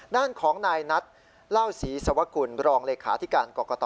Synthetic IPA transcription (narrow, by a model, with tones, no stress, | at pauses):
daː˥˩nkʰɔː˩˦ŋnaː˧jna˦˥t̪̚ | la˥˩wsiː˩˦sa˧wa˦˥ku˧nɾɔː˧ŋleː˧kʰaː˩˦t̪ʰi˦˥kaː˧nkɔː˧kɔː˧t̪ɔː˧